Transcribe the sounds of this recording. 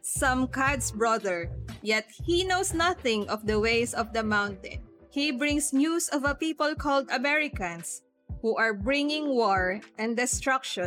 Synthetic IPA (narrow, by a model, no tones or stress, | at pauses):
sʌ̃mkad̪sbɹɔðɛɹjɛt̪̚hinowsnaθɪ̃ŋʔɔvd̪ɐweɪsɔvd̪ɐmãwnt̪ɛ̰̃n | hibɹɪ̃ŋsnjusɔvɐpipɔlkʰɔld̪ɐmɛɹɪkɐ̃ns | huʔaɹbɹɪ̃ŋɪ̃ŋwɔɹʔɛ̃nd̪ɛst̪ɹakʃɔ̃